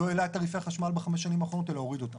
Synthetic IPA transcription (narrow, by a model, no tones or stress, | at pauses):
oelaetaʁifeaχaʃmalbeχameʃːanimaːχo̞no̞t̪e̞lao̞ʁido̞tam